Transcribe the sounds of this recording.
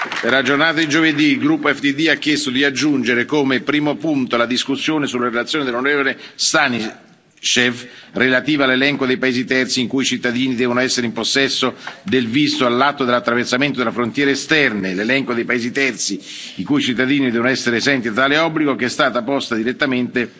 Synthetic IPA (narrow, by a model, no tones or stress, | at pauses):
perlad͡ʒornaːt̪ad̪id͡ʒoved̪iːlɡɾupːoɛft̪id̪iakːjɛst̪od̪iad͡ʒːund͡ʒeɾekomepɾiːmopunt̪olad̪iskusːjoːnesulːaɾelat̪sːjoːned̪elːonoɾɛvolest̪ani | t͡ʃefrelat̪iːvoalːelɛŋkod̪ejpaeːzit̪ɛrt̪siŋkuit͡ʃit̪ːad̪iːnid̪ɛːvonoɛsːeɾeimposːɛsːod̪elvist̪oalːat̪ːod̪elat̪ːɾaversament̪od̪elafɾont̪jɛːɾeːst̪ɛrnelelɛŋkod̪ejpaeːzit̪ɛrt̪si | iŋkuit͡ʃit̪ːad̪iːnid̪ɛːvonoɛsːeɾeːzɛnt̪̬iat̪ːaːleɔbːliɡok̟ɛst̪aːt̪apɔst̪ad̪iɾet̪ːament̪e